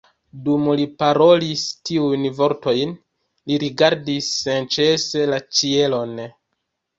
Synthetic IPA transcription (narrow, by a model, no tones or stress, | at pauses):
dumlipaɾo̞listiujnvo̞ɾto̞jn | liɾiɡaɾdisːent͡ʃe̞se̞lat͡ʃie̞lo̞n